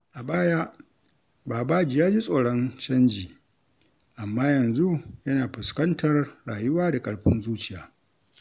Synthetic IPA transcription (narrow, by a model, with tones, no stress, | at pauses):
ʔa˨baː˦jaː˦ | baː˨baː˦d͡ʒi˨jaː˦d͡ʒi˦sʼoː˨ɽɔ˦nt͡ʃɐ˦nd͡ʒiː˨ | ʔa˨mːaː˦jɐ˨nzu˦jɐ˦naː˨ɸʊ˨skɐ˦ntʰɐ˨rɽaː˨jʊ˦waː˦da˨kʼɐ˨ɽɸɪ˦nzuː˦t͡ʃɪ˦ja̰ː˨˦